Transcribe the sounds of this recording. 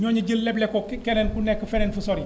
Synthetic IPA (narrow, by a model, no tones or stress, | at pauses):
ɲɔɲɐd͡ʒəlːɛblɛkːɔkkɛnɛnkunɛkːəfɛnɛnfusɔɾi